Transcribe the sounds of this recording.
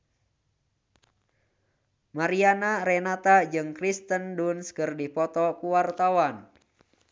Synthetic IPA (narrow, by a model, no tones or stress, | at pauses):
maɾianaɾɛnat̪ad͡ʒɨŋkɾist̪əndunskɨrdipɔt̪ɔkuwart̪awan